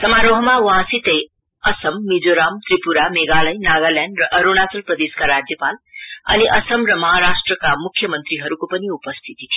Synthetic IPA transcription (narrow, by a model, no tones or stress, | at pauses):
sʌmaɾoɦʌmawɦãsit̪ej | ʌsʌmːid͡zoɾamt̪ripuɾameɡalʌjnaɡʌljaɳɖrʌʔʌɾonat͡sʌlprʌd̪eskaɾad͡zjʌpalʌ̰niʔʌsʌmrʌmʌɦaɾasʈrʌkamukʰːjʌmʌnt̪ɾiɦʌɾukopʌniupʌst̪ʰit̪i